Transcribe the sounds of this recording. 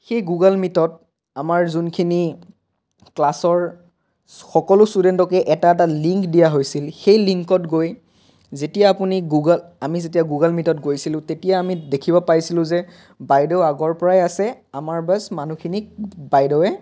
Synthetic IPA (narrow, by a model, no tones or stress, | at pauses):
xejɡuɡalmitɔt̚ | amaɹzunkʰini | klasɔɹ | xɔkɔlʊstudɛntɔkɛʔɛtaɛt̬aliŋkdijaɦojsilxejliŋkɔtɡoj | zetijaːpuniɡuɡalamizetijaɡuɡalmitɔt̚ɡojsilʊ̃tetijaːmidekʰibɔpajsilʊ̃zɛ | bajdɔʊaɡɔɹpɔɹajasɛamaɹbasmanukʰinibajdɔʊɛ